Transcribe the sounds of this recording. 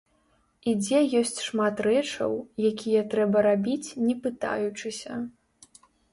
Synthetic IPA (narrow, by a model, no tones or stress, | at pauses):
id͡zʲɛjɔsʲt͡sʲʂmat̪rɛt͡ʂɐ̰wjakʲʰijɐt̪ɾɛbɐɾabʲit͡sʲnʲɛpɨt̪a̰jut͡ʂɨsʲɐ